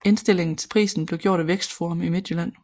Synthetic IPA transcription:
e̝nsd̥e̝l̰e̝ŋn̩t͡sʰe̝lpʰʁḭːsn̩b̥le̝ʊɡjo̝ɐ̰ɾ̥æʋeɡ̥sd̥foɑmime̝d̥jəlæn̰

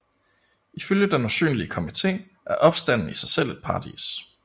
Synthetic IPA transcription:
iføljəd̥enosy̰ːnliəkʰomit͡sʰe̝̰ː | ʔæɐʔɒ̽b̥sd̥æn̰n̩isɑ̈ɪsel̰e̝d̥̚pʰɑ̈ːd̥ḭs

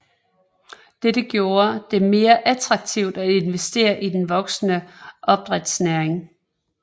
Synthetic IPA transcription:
d̥ed̥əɡ̥jo̝ːɐd̥e̝ɐme̝ːɐʔæt͡sʰʁɑ̈ɡ̥̚t͡sʰiʊ̰d̥æe̝nʋesd̥e̝̰ːɐʔid̥enʋɒ̽ɡ̥snəʔɒ̽b̥̚d̥ʁɛd̥snæɐeŋ

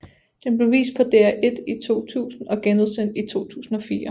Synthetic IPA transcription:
d̥enb̥le̝ʋḭːsd̥̚pʰɒ̽d̥eæʔe̝d̥it͡sʰo̝̰ːt͡sʰṵːsn̩ɒ̽ɡ̥enuðˠsen̰d̥it͡sʰo̝̰ːt͡sʰṵːsn̩ɒ̽fiːɐ

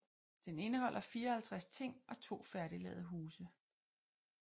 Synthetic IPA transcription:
d̥ene̝nəɦɒ̽l̰ʔɐfiːɐɒhælt͡sʰʁast͡sʰe̝ŋ̰ɒ̽t͡sʰo̝̰ːfæɐɾilɛ̰ːðˠəɦuːsə

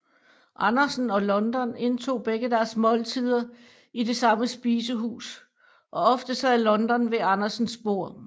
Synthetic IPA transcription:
ʔɑnɐsn̩ɒ̽lɒ̽nd̥ɒne̝nt͡sʰo̝̰ːb̥eɡ̥əd̥æɐsmɒ̽lt͡sʰiðˠɐ | ide̝sɑ̈məsb̥iːsəɦṵːs | ʔɒ̽ɒ̽fd̥əsɛð̰ˠlɒ̽nd̥ɒ̽nʋeɑ̈nɐsn̩sb̥o̝ɐ̰

